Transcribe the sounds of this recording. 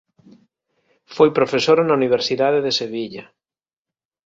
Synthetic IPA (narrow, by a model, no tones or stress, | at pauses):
fojpɾofesoɾanauniβ̞eɾsiðaðeðeseβ̞iʎa